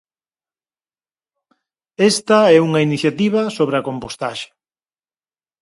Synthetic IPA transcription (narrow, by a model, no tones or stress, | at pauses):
est̪ɐɛuŋɐiniθjat̪iβ̞ɐsoβɾɐkompost̪aʃe̥